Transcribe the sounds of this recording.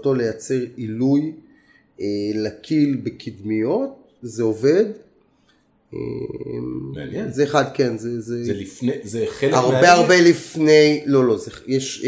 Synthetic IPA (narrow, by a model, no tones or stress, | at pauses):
to̞le̞jat͡se̞ʁiluj | elakʰilbekʰid̪mijo̞t̚ | zeove̞d | ḛmmzeːχad̪ke̞nzeze | aʁbeaʁbelifnejlo̞lo̞zejeʃ